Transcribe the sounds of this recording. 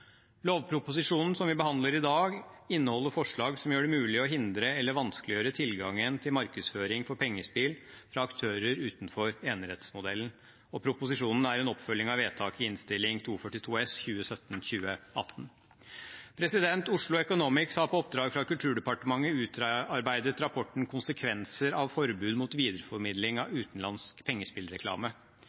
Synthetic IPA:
loːʋpʰɾʊpʊsɪʂuːnn̩sɔmʋɪbəhɑnd̪ləɾɪd̪ɑːɡɪnːəhɔlːəɾfɔʂɭɑːɡsɔmjøːɖɛmʉːlɪɔɦɪnd̪ɾəɛlːəɾʋɑnsklɪjøːɾət̪ʰɪlɡɑŋːənt̪ʰɪlmɑɾkəsføːɾɪŋfɔɾpʰɛŋːəspiːl | fɾɑɑkt̪ʰøːɾəɾʉːt̪n̩fɔɾeːnəɾɛt̪smʊd̪ɛln̩ | ɔpʰɾʊpʊsɪʂuːnn̩æɾɛnɔpːfœlːɪŋɑʋeːt̪ʰɑːkɪɪnst̪ɪlːɪŋt̪ʰuːfœʈːɪt̪ʰuːɛsçʉːəsœt̪n̩çʉːəɑt̪n̩ | pʰɾɛsɪd̪ɛnt̪ʊʂɭʊɛkʊnuːmɪksɑpʰɔɔp̚d̪ɾɑːɡfɾɑkʉlt̪ʰʉːɖɛpɑʈəmɑŋːəʉːt̪ɾɑɾbæɪd̪ət̪ɾɑpʰɔʈɳ̩kʰʊnsəkʰʋɛnsəɾɑʋfɔɾbʉːd̪muːt̪ʋiːd̪əɾəfɔɾmɪd̪lɪŋɑʋʉːt̪n̩lɑnskpʰɛŋːəspɪlɾɛkʰlɑ̰ːmə

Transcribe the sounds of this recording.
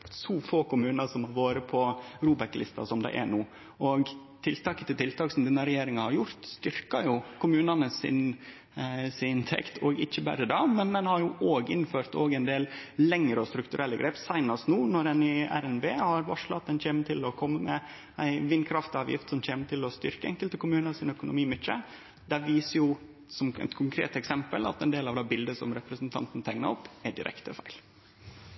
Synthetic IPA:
suːfoːkʊmʉːnəsɔmhɑɾʋoːɾəpʰɔɾuːbɛklɪst̪ɑ̰sɔmd̪æ̰ɪʔæ̰ɳuː | ɔɡ | t̪ʰɪlt̪ɑːkət̪ɪlt̪ʰɪlt̪ɑːksɔmd̪ɛnːəɾɛjeːɾɪŋɑhɑɾjʊɾt̪st̪ʏɾkɑjʊkʰʊmʉːnɑnəsɪ̰n | sɪɪnt̪ʰɛ̰kt̪ʰɔːɡɪçːəbæ̰ɾəd̪ɑmɛnmɛnhɑɾjʊʔoːɡɪnføːɾt̪oːɡæɪnd̪eːllɛŋɾəɔst̪ɾʉkt̪ʉɾɛlːəɡɾʔeːpsæɪnɑst̪nuːnɔɾɛnɪæ̰ɾɛnbeːhɑɾʋɑʂlɑt̪̚ɛnçeːmət̪ʰɪlɔkʰɔmːəmɛ | æ̰ɪʋɪnːkʰɾɑft̪ɪɑːʋjɪ̰ft̪sɔmçeːmət̪ʰɪlɔst̪ʏɾkəɛŋkəlt̪əkʊmʉːnəɾsɪnœkʊnʊ̰miːmʏt̪t͡ʃːə | d̪æʋiːsəjʊ | sɔmɛ̰t̪kʰʊŋkʰɾḛːt̪ɛksɛmpəlɑ̰t̪ɛnd̪eːlɑʋd̪ɑːbɪld̪əsɔ̰mɾɛpɾəsənt̪ʰɑ̰nt̪n̩t̪ʰɛŋnəɾɔpːæɖɪɾɛ̰kt̪əfæɪl

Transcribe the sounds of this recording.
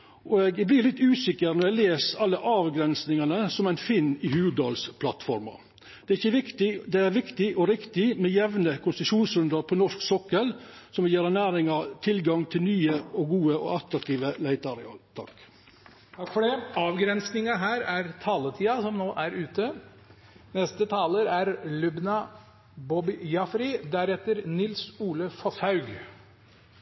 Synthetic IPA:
ʔɔɛɡɛɡblɪɾlɪt̪ːʉːsɪkːəɾnɔɾɛɡleːsɑlːəʔɑːʋɡɾɛnsnɪŋɑnəsɔmæɪnfɪnːɪhʉːʋʉd̪ɑ̰ːlspʰlɑt̪fɔɾmɑ̰ | d̪ɛæɾɪçːəʋɪkt̪ɪd̪ɛæɾʋɪkt̪ɪʔɔɾɪkt̪ɪmɛjɛʋnəkʰʊnst̪ʉʃuːnsɾʉnd̪ɑɾpʰɔnɔʂksɔkːəlsɔmjeːɾɑnæːɾɪŋɑt̪ʰɪlɡɑŋt̪ʰɪlnyːəɔɡuːəʔɔ̰ɑt̪ɾɑk̚t̪ʰiːʋəlæɪt̪ɑɾɛɑ̰t̪ʰɑ̰k | t̪ʰɑkfɔɖɛɑːʋɡɾɛnsnɪŋɑɦæːɾæɾt̪ʰɑːlət̪ʰiːɑsɔmnoːʔæɾʉːt̪ə | nɛst̪ət̪ʰɑːləɾæɾlʉbnɑ | bɔbɪjɑfɾɪd̪æɾɛt̪əɾnɪlsuːləfɔshɑʉɡ

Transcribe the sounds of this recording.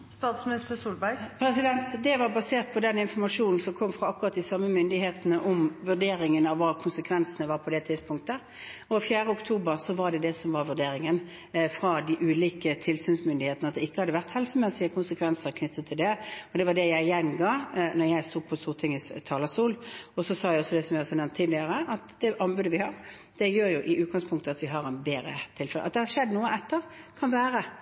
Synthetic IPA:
st̪ɑːt̪smɪnɪst̪əsuːlbæɾɡpʰɾɛsɪd̪ɛnt̪d̪ɛʋɑbɑseːʁt̪̚pʰɔd̪ɛnɪnfɔɾmɑʂuːnn̩sɔmkʰɔmːfʁɑɑkːʉɾɑt̪̚d̪ɪsɑmːəmʏnd̪ɪheːt̪ənəʔɔmʋʉʁɖ̪eːɾɪŋənɑʋːɑːkʰʊnsəkʰʋɛnsnəʋɑːɾpʰɔd̪ɛt̪ʰɪd̪spʰʊŋk̚t̪ə | ɔfjæːɾəʊkt̪ʰuːbəɾsɔʋɑɖ̪ɛd̪ɛsɔmʋɑɾʋʉɖeːɾɪŋən | fɾɑd̪ɪʔʉːliːkət̪ʰɪlsyːnsmʏnd̪ɪheːt̪ənəɑt̪d̪ɛɪkːəhɑd̪ːəʋæʁt̪hɛlsəmeːsɪəkʰʊnsəkʰʋɛnsəʁkʰnʏt̪ːət̪ʰːɪld̪ɛɔd̪ɛʋɑɖ̪ɛjæɪjɛnɡɑːnɔɾjæɪst̪uːpʰɔst̪uːʁt̪ʰɪŋːəst̪ʰɑːləsuːlɔsɔsɑːjæɪɔsːɔd̪ɛsɔmjæɪɔsɔɑnɛmnt̪ʰːiːd̪lɪəɾəʔɑt̪d̪ɛʔɑnbʉːd̪əʋɪhɑɾ | d̪̥ɛjøːɾjʊʔɪʔʉːt̪̚ɡɑŋspʰʊŋkt̪əɑt̪ʋɪɦɑɾɛnbeːɾət̪ʰɪlfɛlə̰ʔɑ̰t̪̚d̪ɛhɑʂɛd̪ːnuːəɛt̪ːəɾkʰɑnʋæːɾə

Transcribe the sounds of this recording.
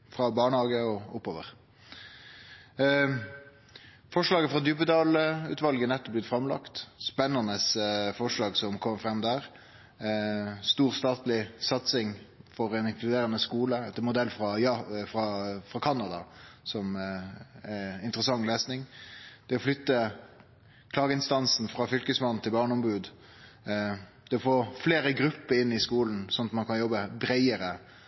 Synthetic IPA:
fɾɑbɑːɳəhɑːɡəɔɔpːoːʋə̰ʁ | fɔʂlɑːɡəfɾɑd̪jʉpəd̪ɑːlʉ̰ːt̪ʋɑlɡənɛt̪ːɔb̚lɪt̪fɾɑmlɑ̰kt̪spɛnːɑnəsfɔʂlɑːɡsɔmkʰɔmfʁɛmd̪æːɾ | st̪uːʁst̪ɑːt̪lɪsɑt̪sɪŋ | fɔɾɛnɪŋklʉd̪eːɾənəskuːləɛt̪ːmʊd̪ɛlːfɾɑjɑfɾɑfʁɑkʰɑnːɑd̪ɑsɔm | ɛɪnt̪əɾəsɑŋːleːsnɪŋd̪̥ɛɔflʏt̪ːə | kʰlɑːɡəɪnst̪ɑnsn̩fɾɑfʏlkəsmɑnn̩t̪ʰɪlbɑːɳəɔmbʉːd̪ | d̪̥ɛɔfoːʁfleːɾəɡɾʉpːəɾɪnːɪskuːln̩sɔnːɑt̪mɑnkʰɑnjɔbːəbɾæɪəɾə

